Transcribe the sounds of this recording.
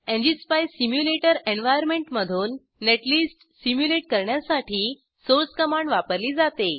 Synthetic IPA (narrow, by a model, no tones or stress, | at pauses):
ẽɲd͡ʑispajsimjuleʈəɾenʋajəɾmẽɳʈməd̪ʱuːnː | eʈliːsʈ | simjuleʈkəɾɳjasaʈʰiː | soɾt͡skəmaɳɖʋapəɾliːd͡zat̪e